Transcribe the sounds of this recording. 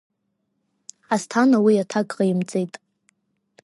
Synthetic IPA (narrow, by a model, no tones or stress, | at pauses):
astʰanawiatʰakʼʁajimt͡sʼejtʼ